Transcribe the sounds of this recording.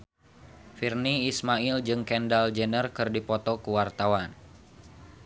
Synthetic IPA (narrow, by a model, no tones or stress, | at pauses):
firniːsmaild͡ʒɨŋkɛndald͡ʒənərkɨrdipɔt̪ɔkuwart̪awan